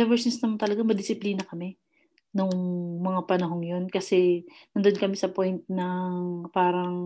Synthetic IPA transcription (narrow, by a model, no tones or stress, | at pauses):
ɛvɛɹsnsnɐmɐnt̪ɐlɐɡamɐd̪ɪsɪpliːnɐkɐmɛ | noŋmɐŋapɐnɐɦo̞ŋjo̞nkɐsɛnɐnd̪onkɐmɛsɐpo̞jnt̪̚nɐŋpaːɾɐŋ